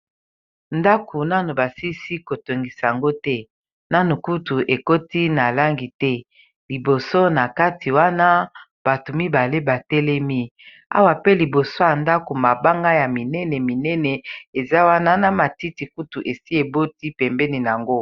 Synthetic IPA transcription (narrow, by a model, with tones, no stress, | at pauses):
nda˦kʰo˨na˦no˨ba˨si˦si˦ko˨to˨ŋɡi˨sa˨ja˨ŋɡo˦tɛ˦ | na˦no˨ku˦tu˨ʔe˨ko˦ti˦na˨la˦ŋɡi˨tɛ˦ | li˨bo˨so˦na˨ka˦ti˨wa˦na˦ | b̥a˨to˨mi˦ba˨le˦ba˨tɛ˦lɛ˦mi˦ | a̰˦wa˨pe˦li˨bo˨so˦ja˨nda˦ko˨ma˨ba˦ŋɡa˦ja˨mi˨nɛ˦nɛ˨mi˨nɛ˦nɛ˨e˨za˦wa˦na˦na˨ma˨ti˦ti˨ku˦tu˨ʔe˨si˦e˨bo˦ti˦pɛ˨mbɛ˦ni˨n˨a˨ŋɡo˦